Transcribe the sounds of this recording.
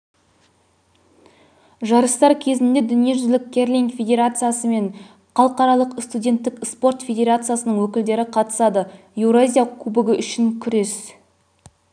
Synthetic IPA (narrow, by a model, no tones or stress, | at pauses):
ʒɑɾəst̪ɑɾkʲʰe̞zɪnd̪e̞d̪ʏnije̞ʒʏzlɪk̚ʲkʲʰːe̞rlʲiŋkfʲe̞dʲe̞ɾat̪sɨjasəme̞ɴ | χɑlˠəqɑɾɑlˠəqst̪udʲe̞nt̪ːɪkspo̞rt̪fʲe̞dʲe̞ɾat̪sɨjasənəɴwɵkʲɪld̪e̞ɾɪqʰɑt̪ə̥sɑd̪ə | jewɾazʲijakʲʰʉbɪɡʲɪʔʏʃɪŋkʲʰʏɾe̞s